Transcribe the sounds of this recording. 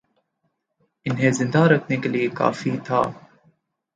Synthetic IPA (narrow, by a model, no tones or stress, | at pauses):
ʔɪnɦeːzɪnd̪aːɾɐknɪɡliːka̰ːfiːt̪ʰa̰ː